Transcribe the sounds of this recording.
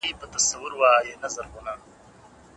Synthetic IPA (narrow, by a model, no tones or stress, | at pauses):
ipət̪ɐsɐwʊɾwaːjenɐzɐɾɣʊna